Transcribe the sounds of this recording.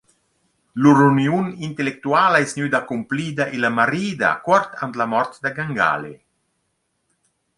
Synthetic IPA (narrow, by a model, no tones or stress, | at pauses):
luɾuniunint̪elek̚t̪uaːlaɛsnyd̪akumpliːd̪aʔilamaɾiːd̪a̰kwɔɾt̪ant̪lamɔrt̪d̪aɡaŋɡa̰ːle